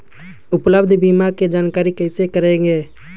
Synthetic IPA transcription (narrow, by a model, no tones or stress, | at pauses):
ʊpləbd̪ʱbiːmaked͡ʒaːnkaːɾikɛɪsekəɾẽŋɡeː